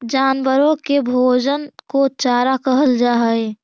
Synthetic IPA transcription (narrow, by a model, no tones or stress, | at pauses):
d͡ʒaːnbəɾõkebʱoːd͡ʒənkot͡ʃaːɾakəɦəld͡ʒaːɦəe